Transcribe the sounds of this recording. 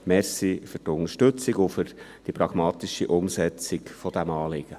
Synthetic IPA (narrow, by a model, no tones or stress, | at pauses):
mɛɾsifʏrtʊnəʃtɵt͡siɡʊfʏɾd̥ipɾɑɡ̥mɑːt̪ɪʃiʔʊmsɛt͡sɪkfɔd̥̪æmɑːlɪɡ̥ə